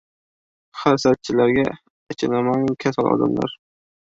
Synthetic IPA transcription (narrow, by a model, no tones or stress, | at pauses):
χaɾsat̪̚t͡ʃʰɪlaɾɡʲaː | t͡ʃʰɪnamaŋmkʲʰasalɒ̰d̪a̰mla̰ɾ